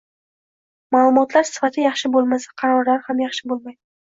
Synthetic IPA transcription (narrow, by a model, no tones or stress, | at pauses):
maːlˠʊmɒt̪laɾsɪ̥fat̪ʰɪjɑχʃɪbolˠmasḁqʰɑɾɒɾlaɾhamjɑχʃɪbolˠmajd̪ɪ